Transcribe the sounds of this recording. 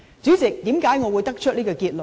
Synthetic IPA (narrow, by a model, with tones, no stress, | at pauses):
t͡syː˨˥t͡sɪ˨˩k̚t̪iː˨˥mkaː˨˥jŋɔː˨˧wu˨˧˦jt̪ɐ˥k̚t͡ʃʰɵ˥liː˥kɔː˧kiː˧t̚lə˨˩